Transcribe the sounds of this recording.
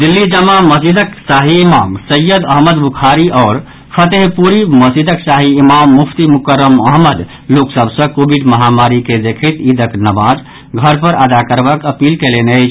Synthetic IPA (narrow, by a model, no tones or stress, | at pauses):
d̪ilːid͡ʒəmːaməsid̪əksaɦiːmamsəjːəd̪əɦməd̪bukʰaɾiɔːɾ | pʰət̪eɦpuɾiməsid̪ʱəksaɦiːmamːupʰt̪imukəɾːəməɦməd̪ | loksəbʱsə̃kobiɖməɦamaɾiked̪ekʰit̪id̪əknəmad͡ʒ | ɡʱəɾpəɾʔəd̪akəɾbakəpilkeleneət͡ʃʰ